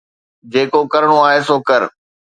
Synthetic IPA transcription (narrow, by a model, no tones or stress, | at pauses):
d͡ʑeːkokɐɾəɽ̃oaːɦeːsoːkəɾ